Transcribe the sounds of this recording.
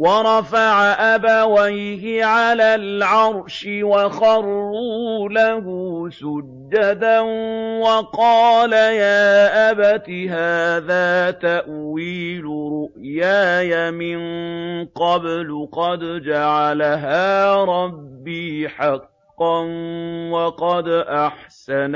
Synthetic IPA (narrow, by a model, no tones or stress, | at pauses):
wɑɾˤɑfaʕaʔabawajhɪʕalaːlʕɑɾˤʃɪwɑxɑɾˤːuːlahuːsʊd͡ʒːad̪anwɑqɑːlajaːʔabat̪iɦaːðaːt̪aʔwiːlʊɾʊʔjaːjamɪnqɑblʊqɑd̪d͡ʒaʕalaɦaːɾˤɑbːiːħɑqː | ɑnwɑqɑd̪ʔaħsan